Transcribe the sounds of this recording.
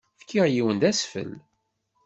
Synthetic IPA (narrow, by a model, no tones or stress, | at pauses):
fkːiʁjiwənd̪æsfə̰l